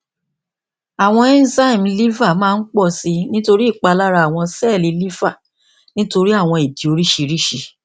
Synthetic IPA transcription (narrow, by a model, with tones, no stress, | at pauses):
a˨w̃ɔ̃˧ɛ˦n˦za˦i˨m˨li˦va˦˨mãː˦˧n̩˦k͡pɔ˦˨si˧nĩ˦to˧ɾi˦˨k͡pa˧la˦ɾa˧˨a˨w̃ɔ̃˧sɛ˦˨li˨˧li˦va˦˨ | nĩ˦to˧ɾi˦a˦˨w̃ɔ̃˧e˨di˨˦o˧ɾi˦ʃi˧ɾi˦ʃi˧